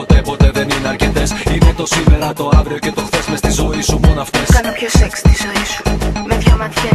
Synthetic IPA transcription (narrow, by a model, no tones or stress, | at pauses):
ot̪epo̞t̪e̞ðe̞nineɐɾce̞t̪esinet̪o̞sime̞ɾɐt̪o̞ɐvɾio̞ce̞t̪o̞xθe̞zmest̪izo̞isumonoɐft̪eskɐnopçosekst̪izoisu̥metçomɐt̪çɐ